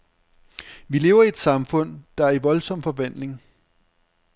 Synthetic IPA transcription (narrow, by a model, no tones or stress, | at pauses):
ʋile̝̰ːʊɐied̥sɑ̈mfɔ̽n̰d̥ɑ̈æɐiʋɒ̽lsɒ̽m̰fɒ̽ʋæn̰le̝ŋ